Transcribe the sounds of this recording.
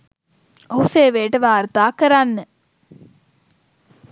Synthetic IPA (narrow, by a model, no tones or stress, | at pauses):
oɦuseːʋeːʈəʋaːɾt̪aːkəɾanːə